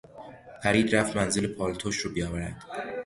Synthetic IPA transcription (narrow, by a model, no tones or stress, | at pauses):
pʰæɾiːd̪ɾæft̪mænzelepʰɒːlt̪ʰoʃɾuːbijɒːvæɾæd̪̥